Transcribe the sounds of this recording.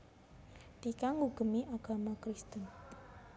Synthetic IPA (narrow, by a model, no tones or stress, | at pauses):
d̪̥ikaŋuɡ̥ə̤miʔaɡ̥a̤makɾist̪ən